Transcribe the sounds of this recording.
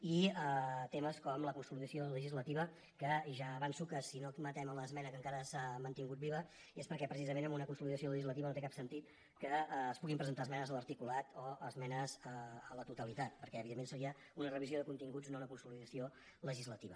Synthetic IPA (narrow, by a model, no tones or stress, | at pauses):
iət̪eməskɔmləkunsuliðəsioləʒizlət̪iβə | kəʒaːβansukəsinomət̪ɛmələzmɛnəkəŋkaɾəsamənt̪iŋɡut̪biβə | espəɾkɛpɾəs̬izəmenəmunəkunsuliðəs̬ioləʒizlət̪̬iβənot̪ekapsənt̪it̪̚ | kəːspuɣimpɾəzənt̪aəzmɛnəzələɾt̪ikulat̪ɔəzmɛnəzəələt̪ut̪əlit̪at̪̚pəɾkɛəβiðemːensəɾiə | unərəβizioðəkunt̪iŋɡud͡znounəkunsuliðəsio | ləʒizlət̪iβə